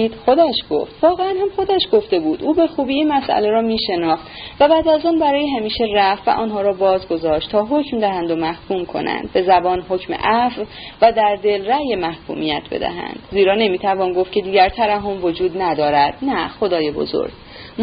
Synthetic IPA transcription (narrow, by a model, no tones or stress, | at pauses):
d̪xod̪æʃɡ̥o̰ft̪vɒːɣeænhæmxo̞d̪æʃɡo̞ft̪e̞buːd̪ʔuːbe̞xuːbiːiːnmæsʔæ̰leɾɒːmiːʃe̞nɒːχt̪væbæːd̪æzɔːnbæɾɒːjeɦæmiːʃe̞ræfvæ̰ʔɒːnɦɒːɾɒːbɒːzɡo̞zɒːʃt̪t̪ʰɒːɦocmd̪æɦænd̪omæhkʰuːmkʰo̞̰næ̰nd̪̥̚be̞zæbɒːnɦo̞cʰmḛʔæf | væd̪æɾd̪e̞lræjemæhkʰṵːmijæt̪ʰbe̞̰d̪æ̰ɦæ̰nd̪̥ziːɾɒːne̞miːt̪ʰævɒːnɡoft̪cʰe̞d̪iːɟæɾt̪ʰæɾæɦomvo̞d͡ʒuːd̪næd̪ɒːɾæd̪̥̚næxo̞d̪ɒːjebo̞̰zo̰ɾɡ̥